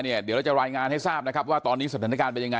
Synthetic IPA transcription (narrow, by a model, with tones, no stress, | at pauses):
ni˥˩ɐd̪i˨˦ɾa˥˩t͡ɕa˨˩ɾaː˧jŋaː˧nha˥˩jsaː˥˩p̚na˦˥kʰa˦˥p̚waː˥˩t̪ɔː˧nːiː˦˥sa˩aː˩˦na˥kaː˧npe˧nja˧ŋa˧